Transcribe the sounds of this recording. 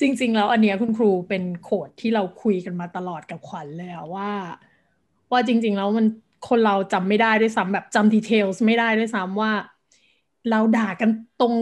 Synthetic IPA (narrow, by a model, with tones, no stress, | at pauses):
t͡ɕi˧ŋt͡ɕi˧ŋlɛː˦˥wʔa˧nːi˦˥ɐkʰu˧nkʰɾuː˧pe˧nkʰoː˨˩t̪ʰːiː˥˩ɾa˧wkʰu˧jka˧nmaː˧t̪a˧lɔː˨˩t̪̚ka˨˩p̚kʰwa˨˩˦nlɤː˧jʔa˨˩waː˥˩ | waː˥˩t͡ɕi˧ŋt͡ɕi˧ŋlɛː˦˥wma˧n | kʰo˧nɾa˧wt͡ɕa˧mːa˥˩jdaː˥˩jdu˥˩jsa˦˥mbɛː˨˩p̚t͡ɕa˧mdiː˧t̪ʰeː˧wsma˥˩jdaː˥˩jdu˥˩˨jsa˦˥mwaː˥˩ | ɾa˧wdaː˨˩kːa˧nt̪o˧ŋ